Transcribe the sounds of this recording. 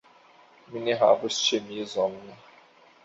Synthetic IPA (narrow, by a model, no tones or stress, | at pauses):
miniɦa̰bʊst͡ʃemiezɔm̩na